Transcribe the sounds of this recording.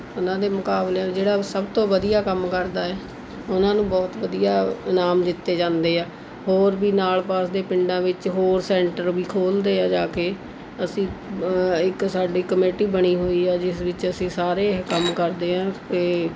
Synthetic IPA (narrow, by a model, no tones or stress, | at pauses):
ʊnãːd̪eːmʊkaːbleːd͡ʒeːɽaːsəbt̪õːʋəd̪ijaːkəmkəɾd̪aːɛː | ʊnãːnũːbɔːt̪ʋəd̪ijaːnaːmd̪ɪt̪ːeːd͡ʒãːnd̪eːɛː | hoːɾbiːnaːlpaːsd̪eːpɪɳɖãːʋɪt͡ʃɦoːɾsɛ̃ːɳʈəɾʋiːkʰoːld̪eːãːd͡ʒaːkeː | əsĩː | ɪksaːɖiːkəmeːʈiːbəɽiːɦoːiːɛːd͡ʒɪsʋɪt͡ʃəsĩːsaːɾeːkəmkəɾd̪eːɦãːkeː